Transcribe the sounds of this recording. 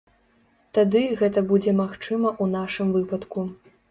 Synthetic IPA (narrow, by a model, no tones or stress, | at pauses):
t̪ad̪ɨɣɛt̪ɐbud͡zʲɛmaxt͡ʂɨmɐʔunaʂɨmvɨpɐt̪ku